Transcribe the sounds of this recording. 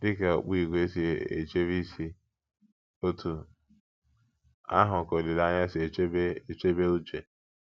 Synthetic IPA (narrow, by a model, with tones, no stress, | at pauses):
dɪ˦ke˨o̰˨k͡pi˦˨ɡʷe˦si˦˨ḛ˨t͡ʃe˦βi˦si˦ | o˦tʰu˨ | a̰˦ɦʊ˨ko˨li˨la˦ɲa˦sbe˦e˨t͡ʃe˦be˦u˦t͡ʃe˨